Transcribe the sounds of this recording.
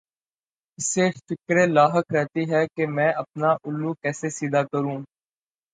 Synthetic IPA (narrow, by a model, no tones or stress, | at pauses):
ɪsefɪkɾẽlaːɦəkɾɛːt̪iɦɛkemɛ̃ːʔɐp̚naʔʊlːuːkɛːsesiːd̪aːkəɾũː